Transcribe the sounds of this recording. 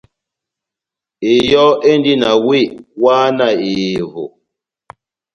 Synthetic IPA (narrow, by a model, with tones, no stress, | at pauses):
ɪ˨jɔ˦ʔe˦n˦di˦na˨wi˦˨waː˦na˨i˨ɦʊ̰˨